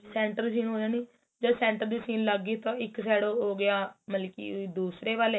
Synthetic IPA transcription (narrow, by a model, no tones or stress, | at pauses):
sɛːɳʈəɾsiːnɦoːd͡ʒaːniː | d͡ʒəsɛ̃ːɳʈəɾd̪iːsiːnləɡːiːt̪ãːɪksɛːɽoːɦoːɡɪjaːməlkḭːd̪uːsɾeːʋaːleː